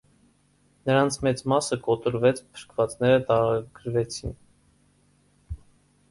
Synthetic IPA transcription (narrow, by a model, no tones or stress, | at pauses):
nəɾɑnt͡sʰmɛt͡smɑsəkɔt̪əɾvɛt͡sʰpʰə̥ɾkʰvɑt͡snɛɾət̪ɑɾɑɡ̥əɾvɛt͡sʰin